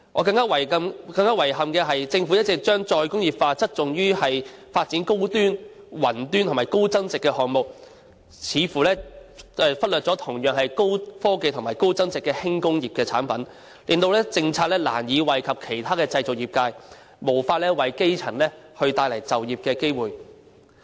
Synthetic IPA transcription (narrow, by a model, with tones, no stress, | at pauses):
ŋʔɔː˨˧kɐ˧ŋkaː˥wɐ˨˩jkɐ˧mkɐ˧ŋkaː˥wɐ˨˩jɦɐ˨mkɛː˧ɦɐ˨jt͡sɪ˧ŋfuː˨˥jɐ˥tt͡sɪ˨k̚t͡ʃœː˥ŋt͡ʃɔː˧jkʊ˥ŋjiː˨˩p̚faː˧t͡sɐ˥t̚t͡sʊ˨ŋjyː˥hɐ˨jfaː˧t̚t͡siː˨˥nko˥wt̪yː˥n | wɐ˨˩nt̪y˥nt̪ʰmaː˨˩jko˥wt͡sɐ˥nt͡sɪ˨kːɛː˧hɔː˨ŋmʊ˨k̚ | t͡sʰiː˨˥fuː˨˩lɛː˥ɛː˧fɐ˥t̚lœː˨t̚t͡sɔː˨˥t̪ʰʊ˨˩ŋjœː˨ŋɦɐ˨jko˥wfɔː˥ke˧jt̪ʰʊ˨˩ŋmaː˨˩jko˥wt͡sɐ˥nt͡sɪ˨kːɛː˧hɪ˥ŋkʊ˥ŋjiː˨p̚kɛː˧t͡sʰaː˨˥npɐ˨˥n | liː˨nt̪o˧wlɛː˥t͡sɪ˧ŋt͡sʰaː˧k̚lɛː˥la̰ː˨˩njiː˨˧wɐ˨jkʰɐ˨p̚kʰe˨˩jt̪ʰaː˥kɛː˧t͡sɐ˧jt͡so˨k̚jiː˨p̚kaː˧j | mo˨˩wfaː˧t̚lɛː˥wɐ˨˩jke˥jt͡sʰɐ˨˩nlɛː˥hɵ˧ɥt̪aː˧jlɐ˨˩jt͡sɐ˨wjiː˨p̚kɛː˧ke˥jwuː˨j